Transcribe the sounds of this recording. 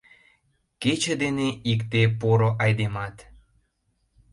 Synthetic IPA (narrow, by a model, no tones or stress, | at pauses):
ket͡ɕə̆d̪eneʔikt̪epoɾoʔɑjd̪emɑt̪